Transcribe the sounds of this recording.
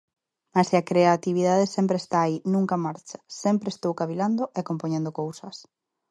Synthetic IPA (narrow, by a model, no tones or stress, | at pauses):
maseakɾeat̪iβ̞iðaðesempɾeːst̪aːinũŋkamaɾt͡ʃḁsempɾeːst̪owkaβiland̪oʔekompoɲẽnd̪okowsɐs